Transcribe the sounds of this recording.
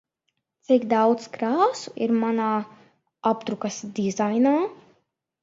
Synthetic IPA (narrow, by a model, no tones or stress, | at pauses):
t̪sikd̪awt̪skɾaːsuiɾmanaː | ɔpt̪ɾukɐsd̪izajnaː